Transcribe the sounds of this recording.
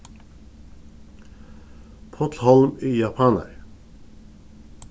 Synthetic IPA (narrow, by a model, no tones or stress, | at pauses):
pʰɔt̪lhɔlmiːjɑpʰɑːnə̰ɾ